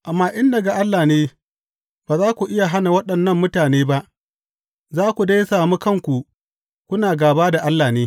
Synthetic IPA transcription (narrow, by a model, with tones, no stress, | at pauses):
ʔa˨mːaː˦ʔɪ˦ndɐ˨ɡa˨ʔa˦lːaː˨neː˦ | b̥aː˨zaː˦kʷu˨ʔɪ˦ja˨ɦa˦na˨wɐ˦ɗɐ˨nːɐ˦mːʊ˦taː˨neː˦ba˦ʔ | zaː˦kʷu˨da˦jsaː˨muː˦kɐ˦ŋkʷu˨ | kʷʊ˦naː˨ɡaː˨baː˦da˨ʔa˦lːaː˨neː˦